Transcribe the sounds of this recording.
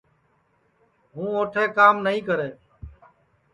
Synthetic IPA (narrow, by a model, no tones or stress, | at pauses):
ɦũːoːʈʰeːkaːmnəɦĩːkəɾeː